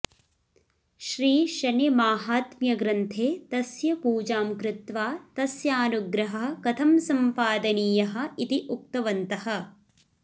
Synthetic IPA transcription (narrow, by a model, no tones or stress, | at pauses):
ʃɾiːʃɐnimaːɦaːt̪mjɐɡɾɐnt̪ʰeːt̪ɐsjɐpuːd͡ʒaːmkɾɪt̪ʋaːt̪ɐsjaːnuɡɾɐɦɐ̆kɐt̪ʰɐmsɐmpaːd̪ɐniːjɐɦɐ̆it̪iʔuk̚t̪ɐʋɐnt̪ɐhɐ̆